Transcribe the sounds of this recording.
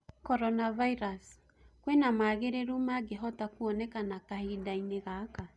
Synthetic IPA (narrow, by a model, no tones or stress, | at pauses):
kɔɾɔnavaiɾas | kwenamaːɣeɾeɾumaɡeɦɔtakuɔnɛkanakahidaineɣaka